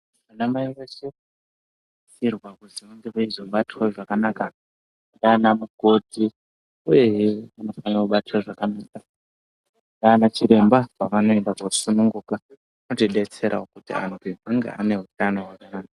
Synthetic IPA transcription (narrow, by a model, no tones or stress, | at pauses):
ʋanamaiʋeʃe | sirwakuziʋaŋɡeʋaizo̞ɓatiwaʐakanaka | ndaːnamuɡʱo̞dʱi | uje̞jeʋano̞fanauɓatiwaʐakanaːka | ndaːnat͡ʃiɾe̞mbapaʋano̞e̞ndakosunuŋɡuːka | ano̞tiɗe̞t͡se̞ɾʔaokutḭa̰npibaŋɡḛa̰ne̞ɦutano̞ɦwakanaːka